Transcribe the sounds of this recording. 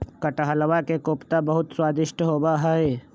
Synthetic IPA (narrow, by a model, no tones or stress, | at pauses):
kəʈɦələʋakekoːpt̪abɐɦʊt̪swaːd̪ɪʃʈəɦoːbaɦɛe